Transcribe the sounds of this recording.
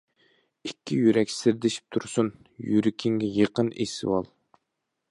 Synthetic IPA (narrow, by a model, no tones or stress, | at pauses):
ikʲːijyɾɛkʲsɪɾd̪ɪʃi̥p̚t̪ʰuɾsun | jyɾɪkʲʰɪŋɡʲɛjəqənesɪ̰wɑ̰lˠ